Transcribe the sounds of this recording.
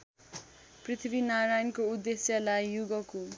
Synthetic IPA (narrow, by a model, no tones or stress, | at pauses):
prit̪ʰibinaɾajnkoud̪ːesjʌlajːuɡʌko